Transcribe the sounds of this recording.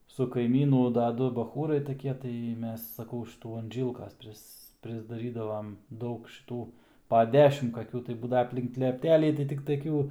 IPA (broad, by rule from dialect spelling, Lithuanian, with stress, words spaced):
sʊ kɐɪˈmʲiːnʊ dɐ ˈdʊ bɐˈxuːrɐɪ tɐˈkʲiɛ tɐɪ ˈmʲɛs sɐˈkɐʊ ʊʃ ʃʲɪˈtuː ɐn ˈʒʲiːlˠkɐs ˈpʲrʲɪs pʲrʲɪzdɐˈrʲiːdɐʋɐm ˈdɐʊk ʃʲɪˈtuː pɐ ˈdʲæːʃʲɪm kɐˈkʲuː tɐɪ ˈbuːdɐʋɐ ɐpʲlʲɪŋk lʲɛpʲˈtʲæːlʲiː tɐɪ tʲɪk tɐˈkʲuː